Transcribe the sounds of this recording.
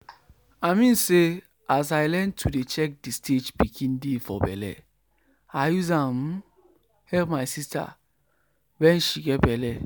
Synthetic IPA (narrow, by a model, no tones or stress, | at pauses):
aɪmĩnse | as̬aɪlɛ̃ntʰudet͡ʃɛk̚distʰed͡ʒbikʰĩndefɔ̰bɛ̰lɛ̰ | ajuzãm | hɛlpmaɪsista̰ | wɛ̃nʃiɡɛt̚bɛlɛ